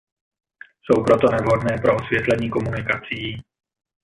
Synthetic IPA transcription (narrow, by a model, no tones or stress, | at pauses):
sowpɾot̪onɛvɦodnɛːpɾoʔosvjɛt̪lɛɲiːkomunɪkat͡sɪji